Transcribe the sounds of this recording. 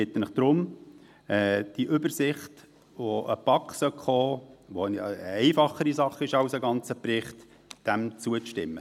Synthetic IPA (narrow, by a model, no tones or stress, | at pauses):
ɪt̪ːənəχd̪̥ɾʊm | ɛd̥iʔʏbəɾsɪχt | ʋoʔəpɑkːsœkχoːʋonjɑ̰ɛɪfɑχəɾisɑχɪʃɑwsəɡɑnt͡səpɾɪχt | d̥æmt͡suəʃtɪmːə